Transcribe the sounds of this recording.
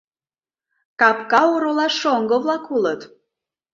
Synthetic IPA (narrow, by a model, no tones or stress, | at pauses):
kɑpkɑoɾolɑʃoŋɡəβlɑkulət̪